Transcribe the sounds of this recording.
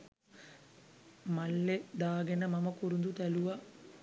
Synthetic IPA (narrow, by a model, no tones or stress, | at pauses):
malːed̪aːɡenəmaməkuɾund̪ut̪æluʋa